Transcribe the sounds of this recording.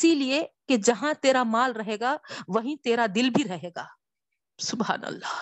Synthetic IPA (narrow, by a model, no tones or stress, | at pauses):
ɪsilieked͡ʒɐɦãt̪eːɾamaːlɾɐɦeːɡaʋɐɦĩt̪eːɾad̪ɪlbʱiɾɐɦeːɡaː | sʊbɦa̰ːnɐ̰lːaː